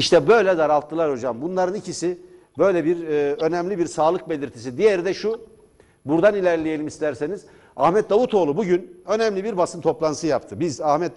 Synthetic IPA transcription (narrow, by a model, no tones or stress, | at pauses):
iʃt̪ʰɛbø̞jlʲɛzaɾalˠt̪ʰːɯlˠaɾho̞d͡ʒambunlˠaɾɯnicʰisi | bø̞jlʲɛbiɾø̞nɛmlʲibiɾsaːlˠɯk̚be̞lʲiɾt̪ʰis̬id̪ijeɾid̪ɛʃu | buɾd̪anilʲæɾlʲeje̞lʲimist̪ʰæɾseniz̥ | ahmɛt̪̚d̪avut̪ʰo̞lˠubuɟynø̞nɛmlʲibiɾbasɯnt̪ʰo̞plˠansɯjapt̪ʰɯbizahmɛt̪̚